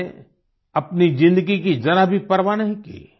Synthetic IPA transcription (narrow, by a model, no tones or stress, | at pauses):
ɐpnid͡ʒɪ̃nd̪əɡikid͡ʒɐɾəɦbʱipɐɾʋanɐɦĩkḭː